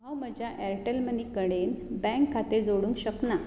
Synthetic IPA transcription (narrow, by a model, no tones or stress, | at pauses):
ɦãwməd͡ʑjaʔɛɾʈəlmənikəɽenbɛ̃ŋkʰːat̪ed͡zoɽũŋkɕəkna